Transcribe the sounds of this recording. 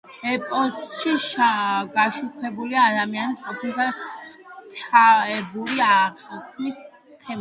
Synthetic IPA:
ɛpʼɔsʃiʃaɡaʃukʰɛbuliaːd̪amianiqʼɔpʰilt̪ʰa | t̪ʰaɛbuliaʁkʰmis | t̪ʰɛm

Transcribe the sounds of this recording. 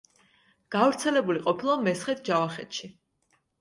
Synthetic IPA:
ɡ̥avɾt̪sʰɛlɛbuliqʼɔpʰilˠamɛsχɛt̪̚ʰd͡ʒavaχɛt̪ʃi

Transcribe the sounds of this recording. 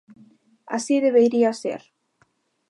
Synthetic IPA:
a̰siːðɪvejɾiasɛ̰ɾ̥

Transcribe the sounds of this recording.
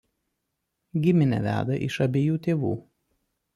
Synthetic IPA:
ɡʲɪmʲɪnʲɛ̰ʋʲæ̰ːd̪ɐʔɪ̰ʃɐbʲeːjuːt̪ʲeːʋṵː

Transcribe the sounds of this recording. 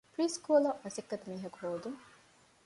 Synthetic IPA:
pɾiːskuːlɐʔmɐsikːɐt̪miːɦɐkuɦoːd̪u

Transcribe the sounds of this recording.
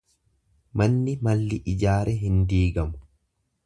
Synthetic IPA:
mɐnːɪmɐlːɪʔɪd͡ʒaːɾʔɛɦɪnd̪iːɡɐmʊ̥

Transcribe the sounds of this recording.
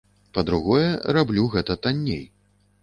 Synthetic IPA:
pɐd̪ɾuɣɔjɛrablʲuɣɛt̪ɐt̪anʲːḛj

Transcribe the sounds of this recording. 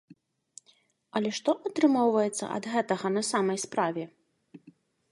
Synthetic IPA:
ɐlʲɛʂt̪ɔʔɐt̪ɾɨmɔwvɐjɛt̪sːɐ̰ʔɐ̰d̪ɣɛt̪ɐɣɐnɐsamɐjspɾavʲɛ

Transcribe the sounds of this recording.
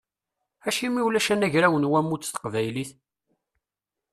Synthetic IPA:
æʃimiwlæʃænæʝɾæwənwæmːut͡sːθə̥qvæjliθ

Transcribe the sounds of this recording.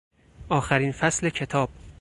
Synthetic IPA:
ʔɒːxæɾiːnfæsle̞cʰe̞t̪ʰɒːb̥

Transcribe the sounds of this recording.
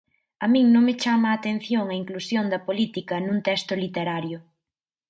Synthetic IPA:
ɐmĩŋnõŋmet͡ʃamɐːt̪ẽn̟θjoŋɐiŋklusjond̪ɐpolit̪ikɐnũnt̪ɛst̪ʊlit̪eɾaɾjʊ

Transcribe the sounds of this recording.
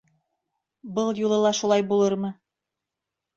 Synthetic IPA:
bɤlˠjulˠɤ̆lˠɑʃulˠɑjbulˠɤɾmɤ

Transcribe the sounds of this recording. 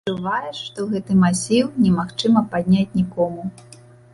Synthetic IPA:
t͡ʂuvajɛʂʂt̪ɔwɣɛt̪ɨmasʲiwnʲɛmaxt͡ʂɨmɐpad̪̚ʲnʲat͡sʲnʲikɔmu

